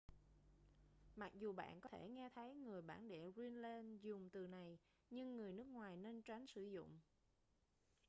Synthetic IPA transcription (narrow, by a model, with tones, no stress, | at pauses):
ma˨˩k̚zu˨˩ɓa̰ː˧˨nkɔ˨˦t̪ʰe˧˩ŋɛ˧t̪ʰə˨˦jŋɨ˨˩əjɓaː˧˩nɗɛ̰˧˩˨zwi˧nle˧nzʊ˨˩ŋ͡mt̪ɨ˨˩na˨˩j | ɲɨ˧ŋːɨ˨˩əjnɨ˦˥ək̚ŋwaː˨˩jne˧nt͡ɕa˨˦jŋ̟sɨ˧˩zʊ̰˧˨ŋ͡m